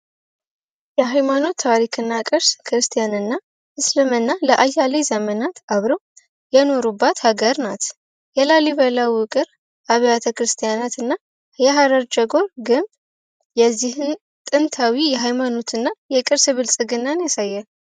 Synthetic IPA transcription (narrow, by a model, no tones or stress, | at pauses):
jɛɦajmano̞t̪ʰːaɾikʰɨnːakʼɨɾskʰɾɨst̪ʰijanɨnːa | ʔɨslɨmɨnːaləʔajalejzəmənat̪aβɾəw | jɛno̞ɾubːat̪haɡəɾnat̪ | jɛlaliβəlawwʊkʼɨɾ | ʔaβjat̪ʰəkɾɨst̪ʰijanat̪ʰɨnːa | jɛɦaɾəɾd͡ʒəɡo̞ɾɡɨn | jɛzːihɨn | t̪ʼɨnt̪ʰawijɛɦajmano̞t̪ʰɨnːajɛkʼɨɾsɨβɨlsʼɨɡɨnːanjasajːal